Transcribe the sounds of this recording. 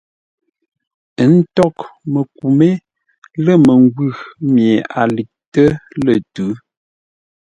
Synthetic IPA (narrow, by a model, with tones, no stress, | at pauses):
ə˨˦n̩˦tɔ˦˨kmə˨k̚u˨me˦ | lə˦˨mə˨ŋ˦ɡwʉ˦˨mje˨a̰˨li˨k̚tə˦lə˨tʉ˨˦